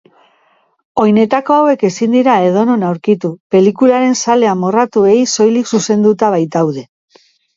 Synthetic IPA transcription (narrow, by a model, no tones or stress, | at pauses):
o̞jne̞t̪ako̞awe̞ke̞sind̪iɾae̞ð̞o̞nonawɾkit̪upe̞likulaɾe̞nsale̞amorat̪ue̞jso̞jliksuse̞nd̪ut̪aβ̞ajt̪awðe̞